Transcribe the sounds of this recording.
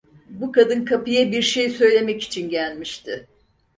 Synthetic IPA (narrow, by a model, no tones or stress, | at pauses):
bukad̪ɯnkʰapɯjabiɾʃe̞jsø̞jlʲe̞mɛci̥t͡ʃʰinɟælʲmiʃt̪ʰɪ